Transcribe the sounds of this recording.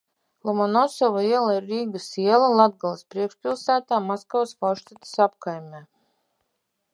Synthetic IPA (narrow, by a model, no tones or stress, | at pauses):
lˠɔmɔnɔsɔvaiɛlˠaiɾːiːɡasiɛlˠalˠad̪̚ɡalˠspɾiɛkʃpʲilˠsæːt̪aːmɔskawspawʃt̪at̪ə̥sap̚kajmʲɛː